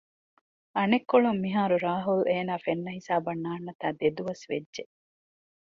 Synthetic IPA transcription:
ʔɐnekːoɭumːiɦaːɾuɾaːɦulʔeːnaːfenːɐɦisaːbɐnːaːnːɐt̪aːd̪ed̪uʋɐsʋedʒe

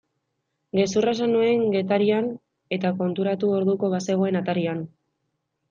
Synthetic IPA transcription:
ɡe̞surasanue̞ŋɡe̞t̪aɾian | e̞t̪ako̞nt̪uɾat̪uo̞ɾðuko̞βase̞ɣ̞o̞e̞nat̪aɾian

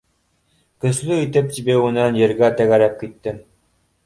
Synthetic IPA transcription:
kɵ̆slɵit̪ɘp̚t̪ibæwŭnɑnjɘ̆ɾɡæt̪æɣæɾæp̚kit̪ːɘm

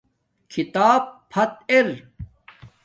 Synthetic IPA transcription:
kʰit̪aːppʰɐt̪eɾ

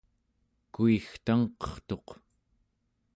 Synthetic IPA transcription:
kuixt̪aŋqʌ̥χt̪o̞q

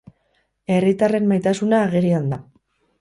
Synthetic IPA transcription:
e̞rit̪are̞mmajt̪asunaːɣeɾiand̪a

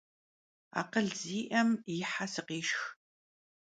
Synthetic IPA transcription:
a̰ːqəɮziːʔɐmjɪħasɨqiːʃx

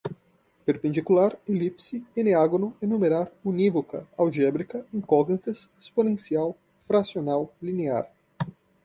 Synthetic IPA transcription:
peɾpẽnd͡ʒikulaɾelipsɪeneaɡonʊenumeɾaɾunivokɐ̰awʒɛbɾikɐẽj̃kɔɡnik̪ɐsesponẽsiaw | fɾasionawlinea̰ɾ

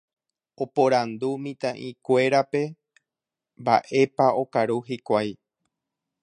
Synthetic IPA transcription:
o̞poɾand̪umĩt̪ãʔĩkʷe̞ɾape̞ | mba̰ʔe̞pao̞kaɾuɦikʷaj

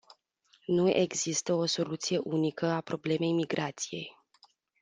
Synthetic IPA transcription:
nue̞̰ɡzist̪əo̞so̞lut̪sije̞ʔunikəapɾo̞ble̞me̞jmiɡɾat̪sije̞̰j

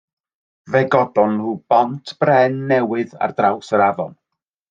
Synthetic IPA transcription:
vɛɡɔdɔnruːb̥ɔntʰb̥rɛnːɛwɨða̰rdrawsəɾavɔ̰n

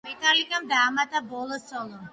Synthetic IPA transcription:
ɛt̪ʼalikamd̪aːmat̪ʼabɔlˠɔsɔlˠɔm

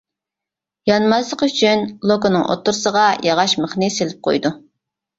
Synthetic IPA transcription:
jɑnmɑzlˠəqyt͡ʃʰynlˠokonɨŋʔo̰t̪ːuɾsəʁɑjʔɑʁɑʃməχnɨselɪp̚qʰo̰jd̪u

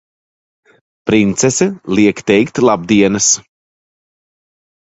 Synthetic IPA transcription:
pɾint̪sɛsɛlˠiɛkt̪ɛjkt̪lˠab̚d̪iɛnɐs

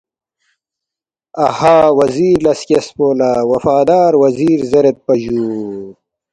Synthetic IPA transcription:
ɐhaːwɐziːɾlɐskespoːlaːwɐfaːd̪aːɾwɐziːɾzɐɾet̪̚pɐʑuː

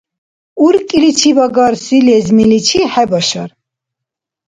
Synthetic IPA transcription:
uɾkʼilit͡ʃʰivaɡaɾsilɛzmilit͡ʃʰiħɛbaʃa̰ɾ

